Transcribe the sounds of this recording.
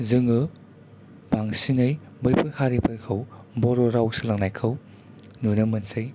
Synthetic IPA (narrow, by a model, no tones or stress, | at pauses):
zɯŋɯ | baŋsinɯj | bɯjpʰɯjhʰaɾipʰɐɾkʰɐwbɔɾɔɾawsɯlɐŋnajkʰɯw | nunɐmɐnsɯj